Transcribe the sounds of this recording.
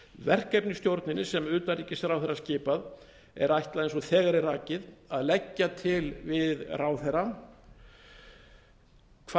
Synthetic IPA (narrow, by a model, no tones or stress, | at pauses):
vɛr̥kɛp̚nɪst̪jowɾt̪nɪnːɪsɛmʏːt̪anɾriːcɪsɾawθɛɾascɪːpað | ɛ̰ɾajht̪laðensɔθɛːɣaɾɪraːcɪðaðlɛcːat̪ʰɪlvɪðraːwθɛra | kʰva